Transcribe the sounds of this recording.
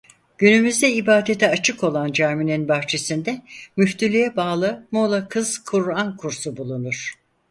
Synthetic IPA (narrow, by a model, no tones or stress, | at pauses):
ɟ̥ynymyzd̪ɛibaːd̪et̪ʰɛat͡ʃʰɯko̞lˠand͡ʒaɾmininbaxt͡ʃʰe̞sind̪ɛmyft̪ylʲyjɛbaːlˠɯmolˠakʰɯz̥kʰuɾankʰuɾsubulˠunuɾ̥